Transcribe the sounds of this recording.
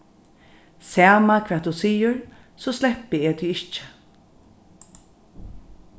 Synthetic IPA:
sæːmakʰvɛːt̪̚d̪usiːʊɹ | soslɛpːɪeːt̪ʰiɪht͡ʃɪ̥

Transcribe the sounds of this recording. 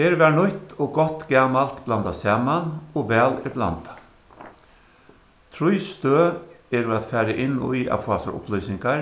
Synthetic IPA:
ɛɾʋɛːɳʊt̪ɔɡɔht̪ɡaːmalt̪blant̪asɛːmanɔʋɛːlɪɾbla̰nt̪a | t̪ʰɾʊjst̪øː | ɛɾuat̪fæːɾaʔɪnːṵja̰ʋfɔːasa̰ɾʊ̰plœʏsɪŋkaɾ

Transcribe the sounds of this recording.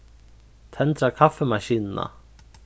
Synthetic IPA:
t̪ʰɛnt̪ɾakʰafːɛmaɕiːnɪna̰

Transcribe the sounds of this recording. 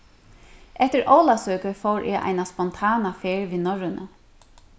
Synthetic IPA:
ʔɛht̪ɪɾʔowlasøːkəfowɾʔɛːʔa̰jnaspɔnt̪ʰaːnafeːɹʋiːnɔɹɪnə̰

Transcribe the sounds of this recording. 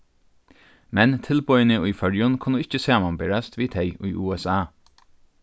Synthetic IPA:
mɛnt̪ʰɪlpɔjnɪʊjfœɹjʊnkʰʊnːʊɪt͡ʃːəsæːmanbɛɹast̪ʋiːt̪ʰɛɪʊjʔṵːɛsaː

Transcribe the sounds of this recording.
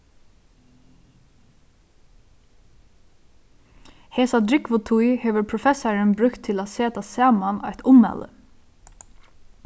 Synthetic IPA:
heːsad̪ɾɪkʋʊt̪ʰujheːʋəɾpʰɹʊfɛsaɹənbɾʏkt̪ʰːɪlaseːt̪asɑːmanɛ̰jt̪ʰʊmɛ̰lə̰

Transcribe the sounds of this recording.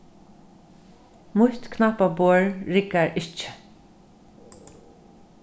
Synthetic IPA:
mʊht̪kʰnapaboɹɹɪkaɹʔɪt͡ʃɪ̥

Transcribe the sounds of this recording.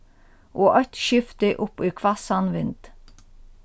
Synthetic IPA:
ʔoːʔœt̪ʃʏft̪əʔʊpiːkʰʋɑsɑnʋɪnd̪̥

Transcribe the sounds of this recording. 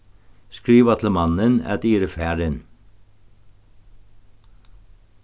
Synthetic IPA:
skɹiːʋɑt̪ʰləmɑnənæ̰t̪iːɾəfæːɾən

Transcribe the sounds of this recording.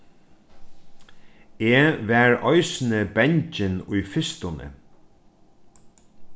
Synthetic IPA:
eːʋæːɹɔɪsnəbɛɲt͡ʃɪnʊjfɪst̪ʊnə̰

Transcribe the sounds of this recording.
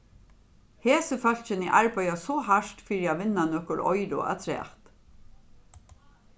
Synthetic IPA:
heːsəfœlc͡çənḭːʔæɹbœʏɑsɔːhæʃtfiɾjɑʋɪnɑnœkʊlʔɔ̰ʏɾʊ̰ʔæ̰t̪ʰɾḛːt̪

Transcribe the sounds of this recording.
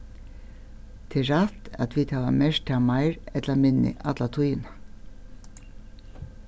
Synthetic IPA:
t̪ʰɪɹɑt̪ɑ̰t̪ʋiːt̪ʰɑːʋɑ̰meːʃtʰɑːmɑɪɹɛt̪ləmɪnɪ̰ʔɑt̪lɑt̪ʰʊjn

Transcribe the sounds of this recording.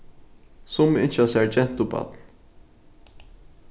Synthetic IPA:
sʊmɪ̰n̥ʃasæɹd͡ʒɛn̥t̪ʊpa̰t̪l

